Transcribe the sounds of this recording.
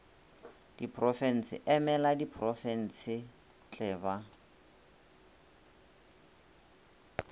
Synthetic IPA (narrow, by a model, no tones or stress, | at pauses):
d̥ipʰʼrɔfɛn̩sɪ̰ʔɛmɛladipʰrɔfɛn̩sɪ | t͡ɬʼɛːβa